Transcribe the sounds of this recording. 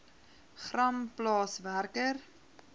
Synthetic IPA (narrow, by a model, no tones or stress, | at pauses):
χrɐmplɑːsværkər